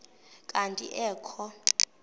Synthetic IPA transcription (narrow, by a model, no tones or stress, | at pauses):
kʼantʼḭʔɛːkʰɔ